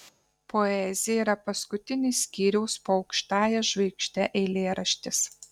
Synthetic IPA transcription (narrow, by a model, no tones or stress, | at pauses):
pʰoɛzʲɪjɛiːɾɐpɐskʊt̪ʲɪnʲɪsʲkʲiːɾʲɛʊspoːɐʊkʃt̪ɑːjɛʒʋʲɛɪkʃʲt̪ʲɛʔɛːlʲeːɾɐʃʲt̪ʲɪs